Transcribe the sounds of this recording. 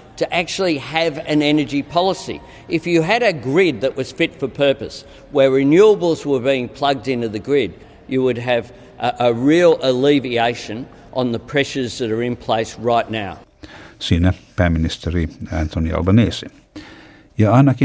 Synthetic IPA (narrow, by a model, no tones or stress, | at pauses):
tʰɨʔæk̚t͡ʃul̩ˠiɨvɨ̃nɛnə˞d͡ʒipʰɑlˠəsḭ | ɨfjɨɨɾɨɡɹɪd̪̚ðɨʔwʌz̥fɪtfə˞pʰɜ˞pɨs | wə˞ɹɨnjʉəbl̩ˠzwə˞biɪ̃ŋpʰl̥ʌɡ̚dɪ̃ntʉðɨɡɹɪd̚ | jɨwɨd̚ɨv | ʔəɹilˠəlivieɪʃɨ̃n | ʔə̃nðəpʰɹ̥ɛʃə˞zðɨɾə˞ɨ̃npʰl̥eɪs̚ɹaɪtⁿnaʊ | sinəpʰɹ̥ãɪ̃mɪnɪstʰəɾiã̰ntʰonia̰lˠbəneːsɪ | jəanaki